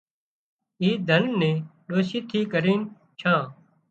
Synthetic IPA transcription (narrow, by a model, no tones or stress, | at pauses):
iːd̪ʱənnẽːɗoːsiːt̪ʰiːkəɾiːn | t͡ʃʰãː